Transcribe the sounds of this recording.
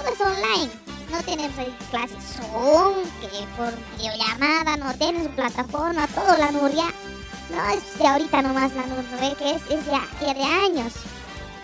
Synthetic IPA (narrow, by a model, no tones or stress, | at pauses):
t̪oðoesonlajn | not̪enemos̬aiklasesoŋkepoɾbiðeoʝamaðanot̪jenes̬uplat̪afoɾmat̪oðolanuɾja | noesjaoɾit̪anomaslanuɾnoβekeesesjaeðeaɲos